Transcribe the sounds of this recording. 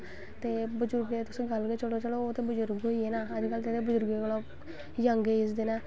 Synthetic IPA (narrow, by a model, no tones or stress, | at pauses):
t̪eːbəd͡ʒʊɾɡeːt̪ʊsĩːɡəlket͡ʃəɽoːt͡ʃəɽoːoːt̪eːbʊd͡ʒʊɾɡɦoːiːeːnaːəd͡ʒkəlt̪eːt̪eːbəzʊɾɡolo | jəŋɡeːɪsd̪ɪnɛː